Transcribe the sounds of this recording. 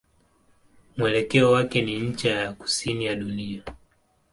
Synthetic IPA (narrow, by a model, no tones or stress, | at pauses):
mwɛlɛkɛɔwakɛniɲ̩t͡ʃajaku̥sinijaɗunia